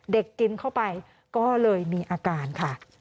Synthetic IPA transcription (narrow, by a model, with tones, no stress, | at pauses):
de˨˩kːi˧nkʰa˥˩wpa˧j | kɔː˥˩lɤː˧jmiː˧ʔaː˧kaː˧nkʰa˥˩